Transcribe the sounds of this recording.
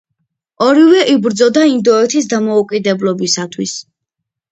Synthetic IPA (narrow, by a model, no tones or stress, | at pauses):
ɔɾivɛʔibɾd̪zɔd̪aind̪ɔɛt̪ʰisd̪amɔukʼid̪ɛblˠɔbisat̪ʰwis